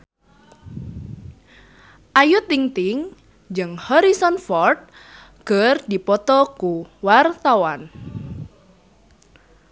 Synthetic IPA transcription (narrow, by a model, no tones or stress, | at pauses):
ʔajʊt̪ːiŋt̪ɪŋ | d͡ʒɨŋhɔɾisɔnfɔrt̪̚ | ɡ̥ərdipɔt̪ɔkuwart̪awan